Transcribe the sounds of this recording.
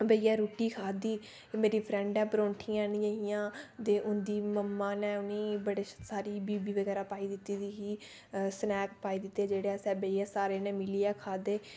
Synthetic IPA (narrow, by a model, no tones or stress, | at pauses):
bəiːaːɾoːʈiːkʰaːd̪iː | meːɾiːpʰɾɛ̃ːɳɖɛ̃ːpəɾõːɳʈʰiːãːniəɦijãːt̪eːʔʊnd̪iːməmːãːnɛ̃ːʊniːbəɽeːsaːɾiːbiːbiːʋəɡɛːɾaːpaːiːd̪ɪt̪iːd̪iːɦiː | snɛːkpaːiːd̪ɪt̪ːeːd͡ʒeːɽeɛsɛ̃ːbeiːaːsaːɾeːnɛ̃ːmɪliːɛːkʰaːd̪eː